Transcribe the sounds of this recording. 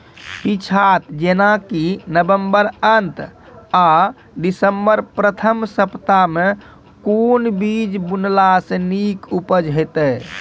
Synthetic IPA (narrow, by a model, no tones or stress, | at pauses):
pit͡ʃʰat̪d͡ʒenakinəbəmbəɾənt̪ | a | ɖisəmbəɾpɾət̪ʰəmsəpt̪ame | konbid͡ʒbunlasə̃nikupəd͡ʒɦojt̪ə